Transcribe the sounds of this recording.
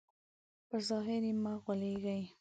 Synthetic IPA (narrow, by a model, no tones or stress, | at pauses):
pəzɑɦɪɾjemaɣwaleɡaj